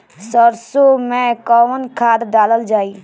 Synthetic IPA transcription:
səɾsomẽkɔnkʰaːd̪daːləld͡ʒaːiː

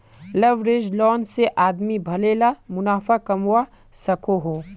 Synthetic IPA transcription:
lɐʋɾed͡ʒlɔːnseʔaːd̪mibʱɐleːlamʊnaːfakɐmwa | sɐkʰoɦoː

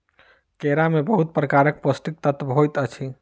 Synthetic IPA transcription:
keɾamebəɦut̪̚pɾəkaɾək̚posʈik̚t̪ət̪ʋɦojt̪ət͡ʃʰi

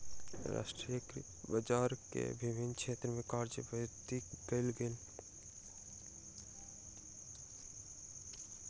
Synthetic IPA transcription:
ɾa̰ːʃʈɾijəkɾ | bəd͡ʒaːɾkḛbɪʋɪnːkʃʰeːt̪ɾəmẽkaːɾd͡ʒəbət̪ikbelɡel

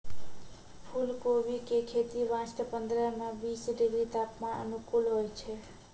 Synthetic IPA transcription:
pʰulkobikekʰet̪iʋãsʈəpənd̪ɾəmebisɖiɡɾit̪apmãʔə̰nukulɦojt͡ʃʰɛ

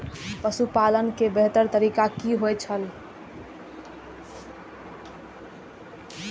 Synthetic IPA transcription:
pəsupalənkebeɦt̪əɾt̪əɾikakiɦojt͡ʃʰəl

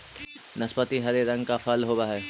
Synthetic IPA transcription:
nɐspət̪iɦɐɾeɾɐ̃ŋɡkafʰɐlɦoːbaɦɛː

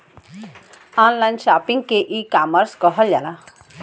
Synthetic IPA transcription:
anlajnʃapiŋɡ̚keʔikaməɾskɔɦəljala

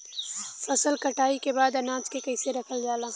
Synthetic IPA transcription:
fɐsəlkɐʈaːikebaːd̪ɐnãːt͡ʃkekɐjseɾɐkʰəld͡ʒaːlãː

